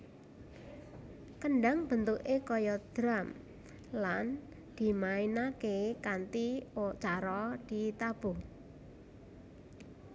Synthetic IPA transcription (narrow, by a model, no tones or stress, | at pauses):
kəɳɖaŋb̥ənt̪uʔekɔjɔd̪̥ɾam | lan | d̪̥i̤mainakekant̪iot͡ʃaɾɔd̪̥it̪ab̥uh